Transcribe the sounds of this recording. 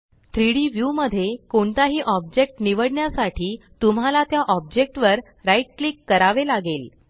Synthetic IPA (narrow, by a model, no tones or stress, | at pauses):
t̪ʰɾiɽiːʋjuməd̪ʱːjekoɳt̪aɦiːʔɔb̚d͡ʑek̚ʈniʋəɽɳjasaʈʰiː | t̪um̤alat̪jaʔɔb̚d͡ʑek̚ʈʋəɾ | ɾaiʈ̚klikːəɾaʋelaɡel